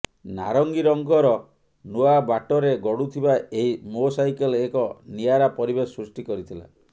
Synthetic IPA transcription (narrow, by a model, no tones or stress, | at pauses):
na̰ɾɔŋɡiɾɔŋɡɔɾɔ | nuabaʈɔɾeɡɔɽut̪ʰibaeɦimosajkɔlekɔniaɾapɔɾibesɾusʈikɔɾit̪ʰila̰